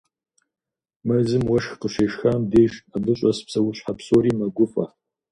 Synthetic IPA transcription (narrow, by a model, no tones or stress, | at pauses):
mɐzɨmwɐʂxqəʃeːʂxaːmdeːʂadɨɕʼɐspsɐwʊɕħapsoɾiːmɐɡʷʊfʼɐ̰